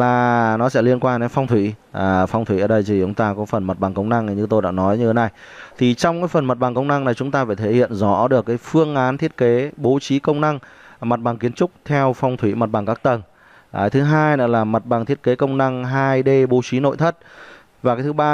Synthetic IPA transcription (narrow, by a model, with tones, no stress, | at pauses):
laː˨˩nɔ˨˦sɛ̰˧˥li˧ənkwaː˧nɗe˨˧nfɔ˧wŋ͡mt̪ʰwḭː˧˩˨fɔ˧wŋ͡mt̪ʰwḭ˧˩˨əː˨˩ɗə˧jt̪ʰi˨˩t͡ɕʊ˨˦ŋ͡mt̪aː˧kɔ˨˦fə˨˩nmə˨˩t̚ɓa˨˩ŋkə˧wŋ͡mna˧ŋ˨˩ɲɨ˧t̪o˧jɗa̰ː˧˥nɔ˨˦jɲɨ˧əː˨˦na˨˩j | t̪ʰi˨˩t͡ɕɔ˧wŋ͡mkaː˨˦jfə˨˩nmə˨˩t̚ɓaː˨˩ŋkə˧wŋ͡mna˧ŋna˨˩jt͡ɕʊ˨˦ŋ͡mt̪aː˧faː˧˩t̪ʰe˧˩hḭ˧˨ənzɔ˧˥ɗɨ˨˩əkːaː˨˦jfɨ˧əŋʔaː˨˦nt̪ʰi˦˥ət̚ke˨˦ɓo˨˦t͡ɕi˨˦kə˧wŋ͡mna˧ŋ | m˨˩t̚ɓaː˨˩ŋki˨˦ənt͡ɕʊ˦˥k͡p̚t̪ʰɛ˧wfɔ˧wŋ͡mt̪ʰwḭ˧˩mə˨˩t̚ɓaː˨˩ŋkaː˦˥k̚t̪ə˨˩n | ʔaː˨˩jt̪ʰɨ˨˦ɦaː˧jnə̰˧˥laː˨˩mə˨˩t̚ɓaː˨˩ŋt̪ʰi˦˥ət̚ke˨˦kə˧wŋ͡mna˧ŋɦaː˧jɗe˧ɓo˨˦t͡ɕi˨˦no̰˧˨jt̪ʰə˦˥t̚ | vaː˨˩kaː˨˦jtʰɨ˨˦ɓaː˧